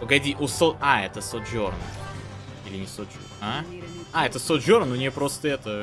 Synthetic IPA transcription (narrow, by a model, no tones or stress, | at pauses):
pəɡɐdʲiʔʊsoaɛt̪əsot̪ʒʲorn | ilʲɪnʲɪsot̪d͡ʒʲo | aaɛt̪əsot̪d͡ʒʲoɾnʊnʲpɾo̞st̪əɛt̪ə